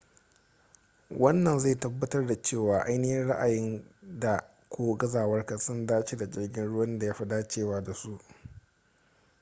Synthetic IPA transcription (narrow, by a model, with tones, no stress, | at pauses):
wɐ˦nːɐ˨nza˦˨tɐ˦bːɐ˦tɐ˦rda˨t͡ʃeː˦˨waː˨ʔa˦jnɪ˦hɪ˦nɽa˦ʔa˨jɪ˦nda˨ | kʷoː˦ɡɐ˦zaː˨wɐ˦rka˨sʊ˦ndaː˦t͡ʃi˦da˨d͡ʒɪ˦rɡʲɪ˦nɽʊ˦wɐ˦nda˨ja˦ɸa˦˨daː˦t͡ʃeː˦˨waː˦da˨su˦ʔ